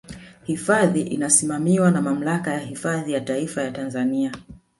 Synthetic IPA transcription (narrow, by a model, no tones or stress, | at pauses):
hifaðiʔinasimamiwanamam̩lakajahifaðijataifajatanzania